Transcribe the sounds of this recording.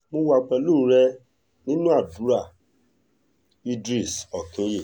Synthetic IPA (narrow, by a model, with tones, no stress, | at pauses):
mõ˧wa˧k͡pɛ˧lo˦˨˦ɾɛ˧ | nĩ˦nũ˦a˦˨bu˨˦ɾa˦˨ | i˦dɾi˦˨sɔ˨kĩ˨˦je˦˨